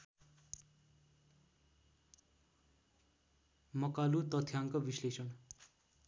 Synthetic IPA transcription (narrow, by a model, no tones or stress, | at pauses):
mʌkalut̪ʌt̪ʰjaŋkobislesʌn